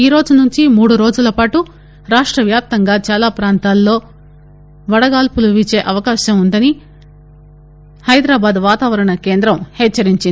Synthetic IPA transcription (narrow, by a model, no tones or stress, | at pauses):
iːɾo̞ːd͡ʒunuɲt͡ʃimuːɽuɾo̞ːd͡ʒulɐpaːʈu | ɾaːʂʈɾɐʋjaːp̚t̪ɐŋɡaːt͡ʃaːlaːpɾaːnt̪aːlːo̞ː | ʋɐɽɐɡaːlpuluʋit͡ʃe̞ːʔɐʋɐkaːʃɐmund̪ɐni | hɐjd̪ɾaːbaːd̪ʋaːt̪aːʋɐɾɐɳɐke̞ːnd̪ɾɐmhɛːt͡ʃːɐɾiɲt͡ʃin